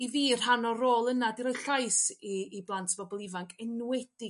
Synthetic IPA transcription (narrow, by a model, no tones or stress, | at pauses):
iviːr̥ɦanɔroːlˠənadiɾɔjɬajsiːblˠantʰb̥ɔbɔlˠɪvaŋkʰɛnwɛd̥ɪ